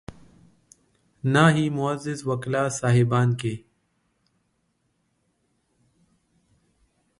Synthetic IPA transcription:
naːɦiːmʊəzɪzʋəklaːsaːɦɪbaːnkeː

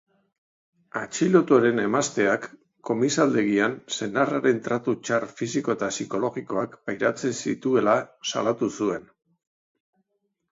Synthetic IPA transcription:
at͡ʃilo̞t̪oɾe̞ne̞mast̪e̞akː | o̞misald̪e̞ɣianse̞naraɾe̞nt̪ɾat̪ut͡ʃarfisiko̞et̪asiko̞lo̞ɣiko̞akbajɾat͡se̞nsḭt̪ue̞lasa̰lat̪usue̞n

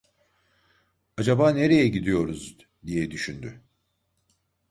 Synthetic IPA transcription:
ad͡ʒabaːne̞ɾe̞jɛɟid̪ijo̞ɾuz | d̪ijɛd̪yʃynd̪y

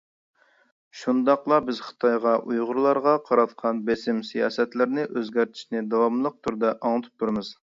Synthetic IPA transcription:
ʃund̪ɑqlˠɑbɪzχɨ̥t̪ʰɑjʁɑʔujʁʊɾlˠɑɾʁɑqʰɑɾɑt̪qʰɑnbesɪmsijɑːsɛt̪lɪɾnɪʔøzɡʲɛɾt̪ʰi̥ʃnɪd̪ɑwɑmlˠəq̚t̪ʰuɾd̪ɛʔɑŋt̪ʰu̥p̚t̪ʰuɾɨmɨz̥

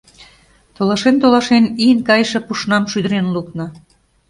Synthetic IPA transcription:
t̪olɑʃent̪olɑʃeniənkɑjʃĕpuʃnɑmʃyd̪əɾenluknɤ̆

